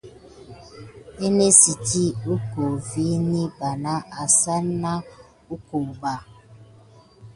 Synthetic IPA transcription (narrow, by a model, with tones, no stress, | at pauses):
e˦ne˦si˨ti˦u˦ko˨vi˦ni˦ba˨na˦a˨sa˦na˦ | u˦ko˨ba˦˨